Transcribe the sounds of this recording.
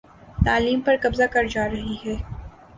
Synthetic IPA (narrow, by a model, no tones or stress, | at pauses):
t̪aːliːmpɐɾkɐbzakɐɾd͡ʒaːɾɐɦiɦɛː